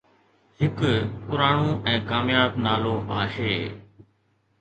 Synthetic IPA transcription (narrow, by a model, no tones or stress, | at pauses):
ɦɪkpʊɾaːɳũːʔɛ̃ːkaːmjaːbnaːloːmaːʃeː